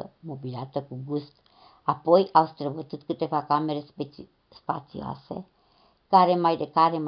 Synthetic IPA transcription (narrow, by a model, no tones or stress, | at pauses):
ə̰mobileat̪əkuɡust̪ | apo̞jawst̪ɾəbət̪ɨt̪kɨt̪e̞vakame̞ɾe | spa̰t̪sḭoa̰se̞̰ | kaɾe̞majd̪ekaɾe̞m